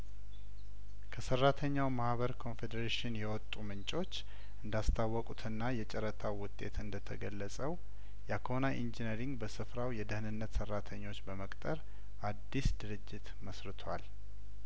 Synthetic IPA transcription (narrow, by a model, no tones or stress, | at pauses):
kʰəsərːat̪ʰəɲːawmahβəɾkʰo̞nfed̪əɾeʃɪnjɛwɔt̪ʼːumɨnt͡ʃʼo̞t͡ʃː | ʔɨnd̪ast̪ʰawːɔkʼut̪ʰɨnːajɛt͡ʃʼɛɾət̪ʰawʊt̪ʼe̞t̪ʰɨnd̪ət̪ʰəɡəlːəsʼəw | jakʰonaʔind͡ʒinəɾiŋɡbəsɨfɾawjɛd̪əhɨnɨnːət̪sərːat̪ʰəɲːo̞t͡ʃːbəməkʼt̪ʼəɾ | ʔad̪ːisd̪ɨɾɨd͡ʒːɪt̪məsɾɨt̪ʰwal